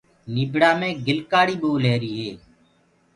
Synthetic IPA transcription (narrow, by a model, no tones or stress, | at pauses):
niːbɽaːmẽːɡɪlkaːɽiːɓoːleːɾiːɦeː